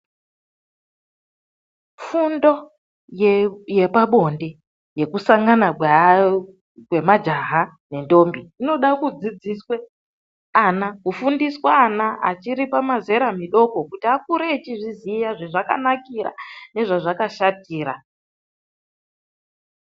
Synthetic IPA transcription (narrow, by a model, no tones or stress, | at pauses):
fundo̞ | jje̞paɓo̞nde̞ | je̞kusaŋɡana | kwe̞mad͡ʒaɦa | ne̞ndo̞mbiːno̞ɗakud͡zid͡ziswe̞ | anakufundiswaːnaa̰t͡ʃiɾipamaze̞ɾamiɗo̞ko̞kutiak̚uɾeːt͡ʃiʐizijaʐeʐaka̰nakiɾa̰ne̞ʐaʐakaʃatiːɾa